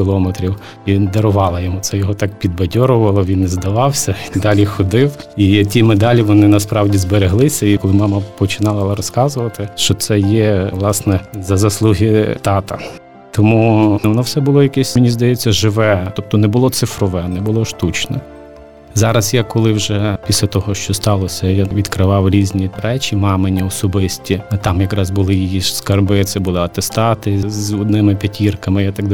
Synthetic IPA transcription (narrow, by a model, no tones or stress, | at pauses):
kʲɪlˠɔmet̪ɾʲiw | d̪ɐɾʊʋɑlˠɐjɔmut̪ɛjɔɦɔt̪ɑk̚pʲid̪̚bɐdʲɔɾʊʋɐlˠɔʋʲinːɛzd̪ɐʋɑwsʲɐind̪ɑlʲixɔd̪ɪwitʲimed̪ɑlʲiʋɔnɪnɐspɾɑwdʲizbeɾeɦlˠɪsʲɐkɔlˠɪmɑmɐpɔt͡ʃɪnɑlˠɐlˠɐɾɔskɑzʊʋɐt̪ɪʃt͡ʃɔt̪sɛjɛʋlˠɑsnɛzɐzɐslˠuɦʲɪt̪ɑt̪ɐ̰ | t̪ɔmuʋɔnɔwsɛbʊlˠɔjɐkɛsʲmʲɪnʲizd̪ɐjɛt͡sʲːɐʒɪʋɛt̪ɔp̚t̪ɔnɛbʊlˠɔt̪sɪfɾɔʋɛnɛbʊlˠɔʃt̪ut͡ʃnɛ̰ | zɑɾɐsjakɔlˠɪwʒɛpʲisʲlʲɐt̪ɔɦɔʃt͡ʃɔst̪ɑlˠɔsʲɐjaʋʲid̪kɾɪʋɑwɾʲizʲnʲiɾɛt͡ʃʲimɑmenʲiɔsɔbɪsʲtʲit̪ɑmjɐkɾɑzbʊlˠɪjijiskɐrbɪt̪sɛbʊlˠɪɐt̪est̪ɑt̪ɪzɔd̪nɪmɪpʲetʲʰirkɐmɪjat̪ɐɡd̪